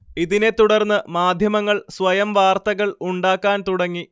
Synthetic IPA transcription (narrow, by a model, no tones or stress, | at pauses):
iðine̞t̪uɽɐrnːɨmaːd̪ʱjɐmɐŋːɐɭsʋɐjɐmʋaːrt̪ɐɣɐɭuɳɖaːkːaːnt̪uɽɐŋːi